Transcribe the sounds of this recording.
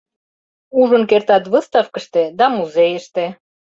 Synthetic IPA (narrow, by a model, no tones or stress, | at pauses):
uʒə̆nkert̪ɑt̪βɤst̪ɑfkə̆ʃt̪ed̪ɑmuzejəʃt̪e